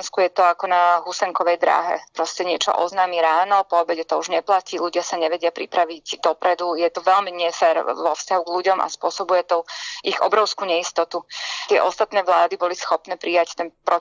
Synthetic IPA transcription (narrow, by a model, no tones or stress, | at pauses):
nskujɛt̪ɔakɔnaɦusɛŋkɔʋɛjd̪ɾa̰ːɦɛ̰pɾɔscɛɲɪɛt͡ʃɔ̰ʔɔ̰znaːmiɾaːnɔpɔːbɛcɛt̪ɔuʒɲɛplaciːluɟɪasaɲɛʋɛɟɪapɾipɾaʋiɟd̪ɔpɾɛd̪ujɛt̪ɔʋɛʎmiɲɛfɛːɾʋɔfscaɦuɡʎuɟɔmʔa̰spʊɔsɔbujɛt̪ɔiɣɔ̰bɾɔʊskuːɲɛist̪ɔt̪ut̪ɪɛʔɔst̪at̪nɛːʋlaːd̪ibɔlisxɔpnɛːpɾijact̪ɛnpɾɔ